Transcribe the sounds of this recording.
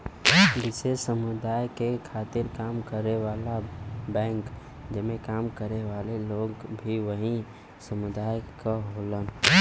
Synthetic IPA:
bɪseʃsəmʊd̪aːjkekʰat̪ɪɾkaːmkəɾeʋaːlabɛ̃ŋk | d͡ʒəmekaːmkəɾeʋaleloɡbʱiʋəɦĩ | səmʊd̪aːjkəɦolən

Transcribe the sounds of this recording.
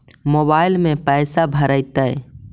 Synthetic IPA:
mobailmẽpəjsabʱəɾəjt̪əj

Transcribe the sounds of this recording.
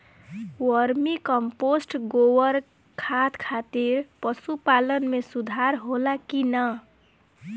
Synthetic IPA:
wʌɾmikʌmposʈɡowʌɾ | kʰat̪kʰat̪iɾpʌsupalʌnmesud̪ʱaɾɦolakinʌ

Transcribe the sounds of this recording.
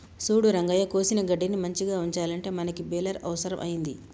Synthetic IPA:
suːɽuɾɐŋɡɐːjɐkoːsinɐɡɐɖːinimɐɲt͡ʃiɡaːuɲt͡ʃaːlɐɳʈe̞ːmɐnɐkibɛːlɐɾɐ̰ʋɐsɐɾɐmʔɐ̰jind̪i

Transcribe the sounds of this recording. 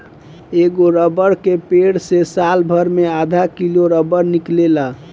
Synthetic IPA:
eɡoɾəbəɾkepeɽsesalbʱəɾmead̪ʱakiloɾəbəɾniklela

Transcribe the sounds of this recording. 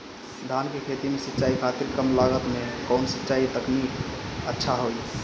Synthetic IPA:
d̪ʱankekʰet̪imesitːt͡ʃaikʰat̪iɾkəmlaɡət̪mekəʊnsitːt͡ʃait̪əkniʈətːʃʰaɦoj

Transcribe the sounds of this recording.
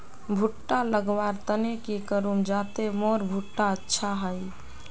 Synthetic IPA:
bʱuʈːaləɡʋaɾt̪ənekikəɾumd͡ʒat̪emoɾbʱuʈːaətːʃʰaɦəj

